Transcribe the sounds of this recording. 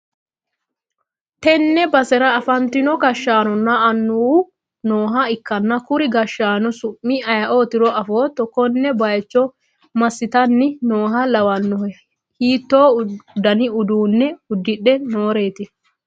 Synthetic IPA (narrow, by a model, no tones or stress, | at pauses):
t̪ɛnːɛbɐsɛɾɐːfɐnt̪ɪnɔɡɐʃːaːnɔnːɐːnːuː | noːɦɐɪkːɐnːɐkʊɾɪɡɐʃːaːnɔsʊmːɪɐjɐʔoːt̪ɪɾɔɐfoːt̪ɔkːɔnːɛbɐjt͡ʃːɔ | mɐsːɪt̪ɐnːɪnoːɦɐlɐwɐnːɔhɛ | hiːt̪ːo̞ːd̪ɐnɪʊd̪uːnːɛʊd̪ːɪɗːɛnoːɾe̞ːt̪ɪ